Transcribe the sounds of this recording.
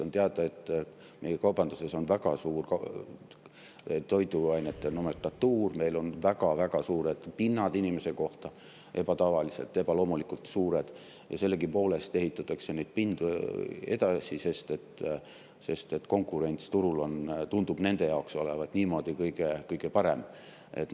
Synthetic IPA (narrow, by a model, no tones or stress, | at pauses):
ont̪eɑd̪̥ɑe̞t̪ːˑ | me̞jekɑwb̥ɑnd̪use̞so̞nvæɡ̥ɑsuːrk | t̪o̞jd̪uɑjnet̪ˑːenomelt̪ːɑt̪ːuːrme̞jlo̞nvæɡ̥ɑvæɡ̥ɑsuːɾe̞d̪̥pinːɑd̪̥inʲime̞se̞ko̞ht̪ɑ | ʔe̞b̥ɑt̪ɑvɑlise̞t̪ːˑe̞b̥ɑlo̞ːmulikult̪suːɾe̞d̪̥ | jɑse̞lːeɡipo̞ːle̞st̪e̞ɦit̪ːˑɑt̪ːˑɑkse̞nejd̪̥pind̪̥ue̞̰d̪ɑsise̞st̪e̞t̪ː | se̞st̪e̞t̪ːˑko̞ŋkːˑuɾe̞nʲt̪st̪uɾulo̞nt̪und̪̥ub̥ne̞nd̪̥e̞jɑokso̞le̞vɑt̪niːmo̞d̪̥ikɤjɡ̥ekɤjɡ̥epɑɾe̞̰m | e̞̰t̪ː